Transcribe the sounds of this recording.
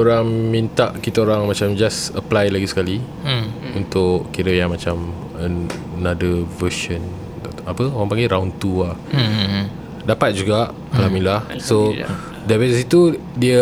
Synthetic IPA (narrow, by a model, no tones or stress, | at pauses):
oɾaŋmint̪aʔkit̪aoɾaŋmat͡ʃamd͡ʒasəplajlaɡisə̥kali | unt̪ʊʔkiɾəjaŋmat͡ʃam | ə | nadəvəʃə̃n | apəoɾãŋpaŋɡeɾaunt̪uah | dapat̪̚d͡ʒuɡaʔ | alamilahso | dəvɛssit̪u | diə